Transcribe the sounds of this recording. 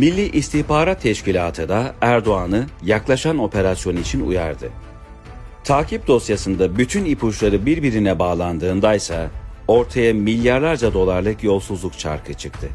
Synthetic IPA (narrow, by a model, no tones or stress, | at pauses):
milʲːiʔist̪ʰiçpaːɾat̪ʰːɛʃcilʲaːt̪ʰɯd̪aæɾd̪o̞anɯjaklˠaʃano̞pʰe̞ɾasjo̞nɯit͡ʃʰinṵja̰ɾd̪ɯ | t̪ʰaːcʰip̚d̪o̞sjasɯnd̪abyt̪ʰynipʰuʃlˠaɾɯbiɾbiɾinɛbaːlˠand̪ɯːnd̪ajsa | o̞ɾt̪ʰajamilʲːjaɾlˠaɾd͡ʒad̪o̞lˠaɾlˠɯkjo̞lˠsuzlˠukt͡ʃʰa̰ɾkʰɯt͡ʃʰɯk̚t̪ʰɯ